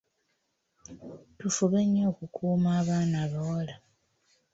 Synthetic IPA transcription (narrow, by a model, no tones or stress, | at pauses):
tufuβeɲo̞ːkukʰuːmaːβaːnaːβawola